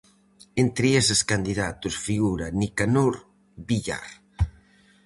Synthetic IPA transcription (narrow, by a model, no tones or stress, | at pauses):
ent̪ɾieseskand̪iðat̪usfiɣuɾanikanoɾ | biʎa̰r